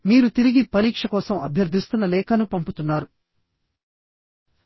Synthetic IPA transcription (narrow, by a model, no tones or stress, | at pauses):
miːɾut̪iɾiɡipɐɾiːkʂɐkɔːsɐmɐ̰bʱjɐɾd̪ʱist̪unːɐlɛːkɐnupɐmput̪unːaːɾu